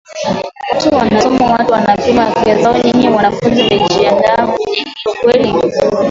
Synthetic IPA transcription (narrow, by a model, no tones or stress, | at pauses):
watuwanasɔmawatuwanapimafazaɔɲiŋɡiwanafunzinait͡ʃiandaɲiŋɡiukwɛli